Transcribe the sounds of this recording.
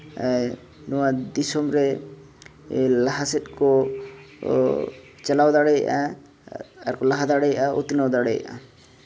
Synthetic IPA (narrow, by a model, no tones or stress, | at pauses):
nɔwad̪isɔmɾɛ | laɦasɛt̪̚kɔ | t͡ʃalawd̪aɽɛj̰ʔa̰ | aɾkɔlaɦad̪aɽɛjaʔao̰t̪inawd̪aɽɛja̰ʔa̰